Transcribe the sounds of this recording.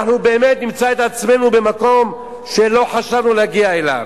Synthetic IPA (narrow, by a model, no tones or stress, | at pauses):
ħnubeːmet̪nimt͡saet̪at͡sme̞nube̞mako̞m | ʃe̞lo̞ħaʃavnuleaɡiaela̰v